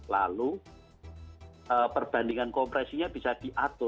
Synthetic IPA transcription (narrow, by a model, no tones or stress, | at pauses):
la̰lu | əpərb̥andiŋankɔmpɾɛsiɲab̥isad̥iʔat̪ʊ